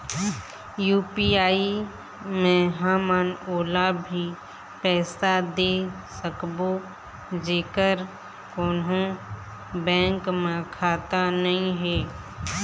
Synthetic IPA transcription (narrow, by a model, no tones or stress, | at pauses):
juːpiːaːi | mẽɦaːmənoːlabʱi | pɛːsad̪e | səkbo | d͡ʒeːkəɾ | koːnɦõ | bɛ̃ːŋkmẽkʰaːt̪anəɦĩɦɛː